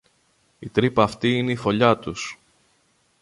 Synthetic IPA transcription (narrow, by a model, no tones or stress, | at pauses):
it̪ɾipɐːft̪iine̞ifo̞ʎɐt̪us